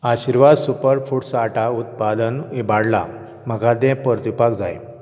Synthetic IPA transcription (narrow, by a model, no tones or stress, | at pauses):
aɕiɾʋad̪supəɾfuʈsaʈaut̪̚pad̪ənibaɽla̰ | məɡad̪ɛ̃pəɾt̪ipakd͡zaj